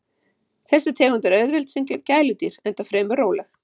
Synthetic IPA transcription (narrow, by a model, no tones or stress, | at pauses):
θɛsːɪt̪ʰɛːɣʏnt̪ɛɾœɥðvɛlt̪siŋklacaːjlʏt̪iɾ̥ɛnt̪afɾɛːmʏɾroːwlɛx